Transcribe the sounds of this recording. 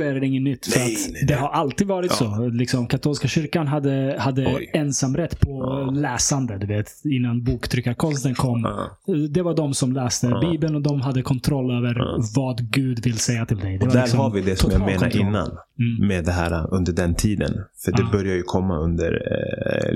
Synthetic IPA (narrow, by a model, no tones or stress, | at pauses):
ɛɖɛɪŋːənːʏt̪ːfœɾat̪d̪ɛɦaɾʔalt̪iːd̪vɑːɾɪt̪solɪksɔmkʰat̪ʰuːlskaɕʏɾkanɦad̪ːəhad̪ːəɛnsamːɾɛt̪ːpʰɔlɛːsand̪əd̪ɵveːt̪ɪnːanbuːkt̪ʰɾʏkːaɾkʰɔnst̪ənkʰɔmːd̪ɛvaɖ̪ɔmsɔmlɛːst̪əbiːbənɔd̪ɔmɦad̪ːəkʰɔnt̪ʰɾɔlːøːvəɾvɑd̪ɡʉ̟ːd̪vɪlːsɛjːat̪ʰɪld̪ɛjd̪ɛvad̪æːksɔhaɾvɪd̪ɛsɔmjaːɡmeːna̰ɾʔɪnːa̰n | med̪ɛɦæ̰ːɾa̰ɵnd̪əɖɛnt̪ʰiːd̪ə̰nfœɖɛbœɾjajɵkʰɔmːa̰ɵ̰nd̪ə̰ɾ